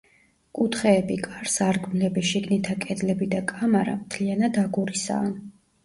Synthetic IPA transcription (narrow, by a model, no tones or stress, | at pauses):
kʼut̪ʰχɛːbikʼaɾsaɾɡmlɛbiʃiɡnit̪ʰakʼɛd̪lɛbid̪akʼamaɾa̰mt̪ʰlianad̪aɡuɾisa̰ːn